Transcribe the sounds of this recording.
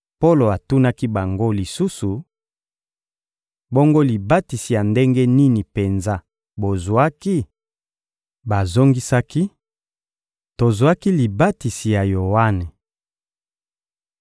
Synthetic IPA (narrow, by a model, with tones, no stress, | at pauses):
po˦lo˨a˨tu˦na˦ki˦ba˨ŋɡo˦li˨su˦su˨ | bo˦ŋɡo˦li˨ba˦ti˨si˨ja˨nde˦ŋɡe˦ni˦ni˨pe˨nza˦ | bo˨zwa˦ki˦ | ba˨zo˦ŋɡi˦sa˦ki˦ | to˨zwa˦ki˦li˨ba˦ti˨si˨ja˨jo˨wa˦ne˨